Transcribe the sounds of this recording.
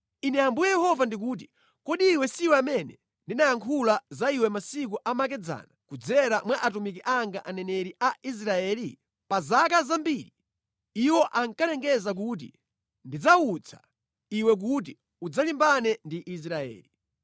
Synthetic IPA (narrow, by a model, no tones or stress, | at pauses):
inɛambujɛjɛhɔvandik̬uːt̬i | kɔɗiːwɛsiwɛamɛnɛ | ndinajaŋkʰulazaiwɛmasik̬uʔamak̬ɛd͡za̰nakud͡zɛɾamwaʔatumikiʔaŋɡaʔanɛnɛɾiʔais̬ɾaɛːli | pazakazambiɾi | iwɔʔaŋkalɛŋɡɛzak̬ut̬ḭ | ndid͡zaut͡sʰḁ̰ | iwɛk̬ut̬i | ud͡zalimbanɛndiʔis̬ɾaɛ̰ːli